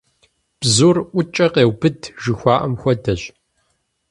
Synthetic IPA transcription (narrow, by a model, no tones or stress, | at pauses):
b̥zuːrʔʷʊt͡ʃʼɐqeːwbɨdʒɨxʷɑːʔɐmxʷɐdɐɕ